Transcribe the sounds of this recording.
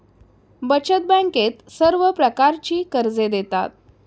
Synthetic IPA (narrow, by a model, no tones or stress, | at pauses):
bət͡ɕət̪̚bə̃ŋket̪səɾʋəpɾəkaɾt͡ɕiːkəɾd͡zed̪et̪a̰t̪̚